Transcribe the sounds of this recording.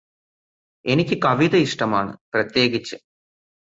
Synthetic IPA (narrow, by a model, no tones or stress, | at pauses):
e̞nikʲːɨkɐʋid̪ɐiʂʈɐmaːɳɨ̰prɐt̪je̞ːɡit͡ɕːɨ